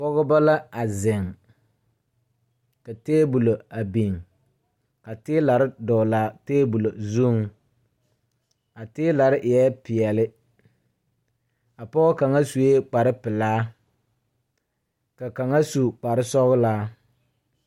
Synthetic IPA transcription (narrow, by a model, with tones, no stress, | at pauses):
pɔ˦ɣʊ˦ba˦la˦a˨zɪ˨ŋ | ka˨teː˦bu˨lo˨a˨bi˨ŋ | ka˨tɪː˦la˨ɾɪ˦dɔ˨laː˦teː˦bu˨lo˨zu˦˨ŋ | a˨tɪː˦la˨ɾɪ˦ʔjɛ˦pɪ˨ɛ˨lɪ˦ | a˨pɔ˦ɣʊ˦ka˨ŋa˦su˨je˦k͡pa˨ɾɪ˦pɪ˨laː˦ | ka˨ka˨ŋa˦su˨k͡pa˨ɾɪ˦sɔ˦ɣʊ˦laː˦